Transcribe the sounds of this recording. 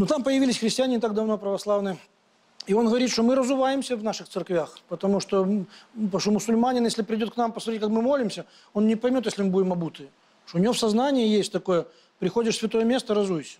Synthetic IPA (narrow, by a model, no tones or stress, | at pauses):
nut̪ampəjɪvilʲɪsʲxɾʲɪsʲtʲɪanʲɪnʲɪt̪aɡ̚d̪ɐvnopɾəvɐslˠavnɨ | io̞nɣəvɐɾʲit̪ʂt̪omɨɾəzʊvajɪmsʲəvnaʂɨxt̪sɨrkvʲaxpət̪ɐmuʂt̪opʂomʊsʊlʲmanʲɪnjeslʲɪpɾʲɪdʲot̪knampəsmɐɾʲit̪̬̚ʲkakmɨmo̞lʲɪmsʲə | o̞nnʲɪpɐjmʲot̪̬jesʲlʲɪmɨbudʲɪmɐbut̪ɨ | ʂt̪oʊnʲɪvofsɐznanʲɪjəjesʲtʲt̪ɐko̞jə | pɾʲɪxo̞dʲɪʂsʲvʲɪt̪o̞jəmʲe̞st̪əɾɐzujsʲə̥